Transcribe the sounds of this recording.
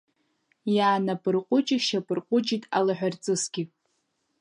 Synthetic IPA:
jaːnapʼɨrqʷʼʊt͡ʃʼɪʃapʼɨrqʷʼʊt͡ʃʼitʼa̰laħᶣʷart͡sʼɨsɡ̥ʲi

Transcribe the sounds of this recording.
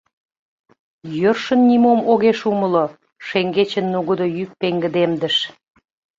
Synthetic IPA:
jørʃə̆nːimomoɣeʃuməlo | ʃeŋɡet͡ɕə̆nːuɣəd̪ojyk̚peŋɡəd̪emd̪əʃ

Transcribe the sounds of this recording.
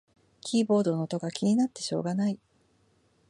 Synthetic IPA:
kʲiːbo̞ːd̪o̞not̪o̞ɡakʲʰiɲ̟inat̪ːe̞̥ɕo̞̰ːɡanai

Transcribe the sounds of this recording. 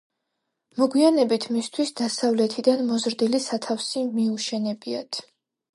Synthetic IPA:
mɔɡwianɛbit̪ʰmist̪ʰwisd̪asavlɛt̪ʰid̪anmɔzɾd̪ilisat̪ʰafsimiuʃɛnɛbia̰t̪ʰ

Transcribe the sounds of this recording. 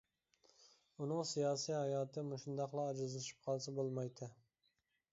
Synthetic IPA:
unɨŋsijɑːsijhɑjɑːt̪ʰɨmʊʃund̪ɑqlˠɑːd͡ʒɪzlɪʃi̥p̚qʰɑlˠsɑbolˠmɑjd̪ʰɪ

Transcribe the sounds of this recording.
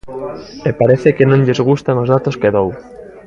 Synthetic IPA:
epaɾeθekenõŋʎezɣ̞ust̪aŋozðat̪oskeðow

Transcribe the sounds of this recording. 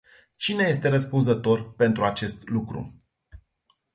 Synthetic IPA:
t͡ʃine̞je̞st̪e̞ɾəspunzət̪o̞rpe̞nt̪ɾuat͡ʃe̞st̪lukɾṵ

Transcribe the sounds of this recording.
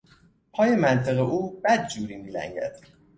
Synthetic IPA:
pʰɒːje̞mænt̪ʰeɣeʔuːbæd̪̚d͡ʒuːɾiːmilæ̰ŋɟæ̰d̪̥

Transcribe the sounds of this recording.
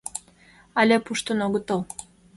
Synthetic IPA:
ɑlʲepuʃt̪ənoɣə̆t̪əl

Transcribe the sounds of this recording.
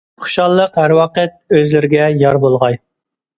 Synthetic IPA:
χʊ̥ʃɑlˠːəqɦæɾwɑːqɛt̪̚øzlɪɾɪɡʲɛjɑɾbolˠʁɑj

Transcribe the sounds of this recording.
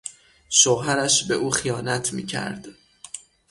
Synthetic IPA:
ʃoɦæɾæʃbe̞ʔuːxijɒːnæt̪ʰmḭːcʰæ̰ɾd̪̥

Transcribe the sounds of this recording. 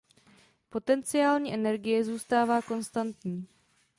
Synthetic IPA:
po̞t̪ɛnt͡sɪaːlɲiːʔɛnɛɾɡɪjɛzuːst̪aːvaːko̞nst̪ant̪ɲiː

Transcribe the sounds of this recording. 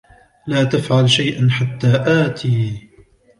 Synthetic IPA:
laːt̪afʕalʃajʔanħat̪ːaːʔaːt̪ʰiː

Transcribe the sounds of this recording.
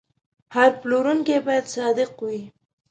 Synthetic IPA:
haɾploɾuŋkebɑjad̪sɑd̪ɪqwi

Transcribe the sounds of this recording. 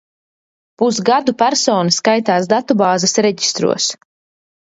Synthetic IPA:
pusɡad̪upæɾsɔːnaskajt̪aːsd̪at̪ubaːzasɾɛɟi̥st̪ɾṵɔs

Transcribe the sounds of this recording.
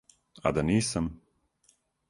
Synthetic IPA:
a̰d̪aniːsam

